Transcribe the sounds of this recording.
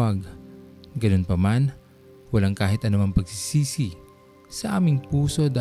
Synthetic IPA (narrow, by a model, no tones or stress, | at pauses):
ɐɡ | ɡɐnonpɐman | wɐlaŋkaːɦɪt̪ʔɐnʊmaŋpɐɡ̚sisiːsi | sɐʔaːmɪŋpuːso̞d̪a